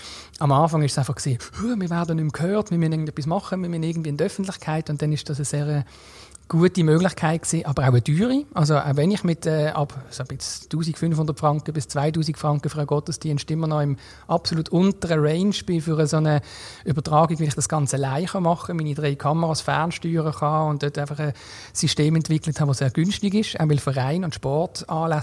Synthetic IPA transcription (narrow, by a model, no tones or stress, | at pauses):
ɑmɑːfɑŋɪʃsaɪfɑχkseːhumɪːɐvɛːɐdənʏmkʰhœːtmɪɐmynɪɡn̩dɛpːismɑχəmɪɐmynɪɐɡn̩tviːɪndœfən̩tlɪχkʰaɪtʊnt̚d̥ɛnɪʃd̥ɑs̬əzeːʁə | ɡ̥uətimøːɡlɪχkʰaɪt̚ksiːʔɑːbəʁaʊəd̥yːʁiʔɑls̬oʔa̰ʊvɛnɪχmɪtʰɛːɑb̥sob̥ɪt͡stuːsikfʏnfhʊnd̥ətfʁɑŋkəbɪst͡svaɪtuːsikfʁɑŋkəfʁaɡɔtəstiənʃtɪmːənɔɪm | ʔɑpsolutʰʊntəʁəʁɛɪnʃb̥ɪfʏʁəsonəybətʁɑːɡiɡʋɪlɪχd̥ɑsɡ̥ɑnt͡səlaɪχɑmɑχəmiːnidʁeɪkʰɑməʁɑsfɛ̰ɐnʃtyːʁəχɑːʊnt̚d̥œtaɪfɑχə | sisteːmɛntv̥ɪkləthɑːʋoseːɐɡ̥ʏnʃtɪɡɪʃa̰ʊvɪlfəʁaɪnʊntʃpɔʁtɑːlas